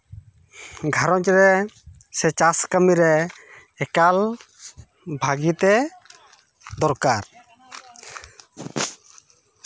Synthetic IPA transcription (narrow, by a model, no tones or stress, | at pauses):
ɡʱaɾɔɲt͡ʃɾɛ | sɛt͡ʃaskamiɾɛː | kal | bʱaɡit̪ɛ | d̪ɔɾkaɾ